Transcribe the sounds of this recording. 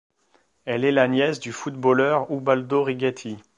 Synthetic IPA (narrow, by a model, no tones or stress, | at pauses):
ɛlɛlanjɛsd̪yfut̪̚bolœʁubald̪oʁiɡʲat̪ʰi